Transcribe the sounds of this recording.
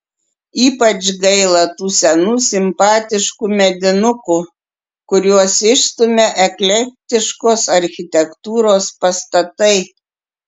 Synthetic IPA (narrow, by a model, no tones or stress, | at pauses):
iːpɐt͡ʃɡɐɪlˠɐt̪uːsʲɛnuːsʲɪmpɑːt̪ʲɪʃkuːmʲɛd̪ʲɪnʊku | kʊɾʲuɔsɪʃst̪ʊmʲɛʔɛklʲɛp̚ʲt̪ʲɪʃkoːsɐɾʲxʲɪt̪ʲɛkt̪uːɾoːspɐst̪ɐt̪ɐɪ